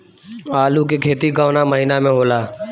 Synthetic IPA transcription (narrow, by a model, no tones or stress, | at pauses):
aːlukekʰeːt̪iɡaːnaməɦinamẽɦoːlaː